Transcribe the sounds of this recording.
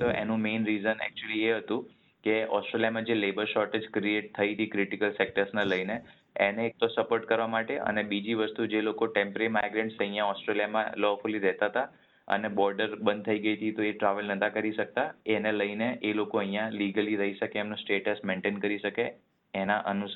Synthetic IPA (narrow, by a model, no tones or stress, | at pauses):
t̪oʔḛnũmenɾizənɛ̰k̚t͡ʃuəlieɦət̪ũ | keɔsʈɾelijamãd͡ʒelebəɾʃɔɾʈed͡ʒkɾieʈ̚t̪ʰəit̪ʰikɾɪʈikəlsek̚ʈəɾsneləjneː | neːk̚t̪osəpoɾʈ̚kəɾʋamaʈeʔə̰nebid͡ʒiʋəst̪ud͡ʒelokoʈẽmpɾeɾimajɡɾẽɳʈsə̃ɦijãɔsʈɾeljamã̰lɔfuliɾɛɦt̪aɦət̪a | ə̰nebɔɾɖəɾbənd̪̚t̪ʰəiɡəjt̪ʰit̪oeʈɾaʋəlnət̪ʰãkəɾiʃək̚t̪aeneləineʔelokoəɦj̃jãliɡəliɾəɦiʃəkeːmnosʈeʈəsmeɳʈenkəɾiʃəke | enaʔənu